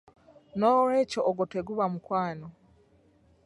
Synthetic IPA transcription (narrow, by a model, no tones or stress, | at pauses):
noːɾeːcoʔːɡotweɡuβamukwaːno